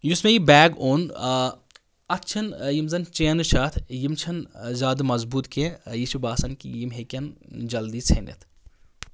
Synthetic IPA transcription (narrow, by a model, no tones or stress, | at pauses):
jusmejibɛːɡoːn | ɐtt͡ʃʰɐnjimzɐnt͡ʃeːnɨʃɐːt̪ʰjimt͡ʃʰɐnzʲaːd̪ɨmɐzbuːt̪kejiʃubaːsɐnkḭjimɦekʲɐnd͡ʒɐld̪iːt͡sʰenɐ̰t̪ʰ